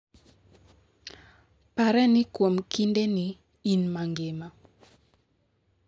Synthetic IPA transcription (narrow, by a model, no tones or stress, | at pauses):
paɾɛnɪkwomkindeni | inmaŋɡɪma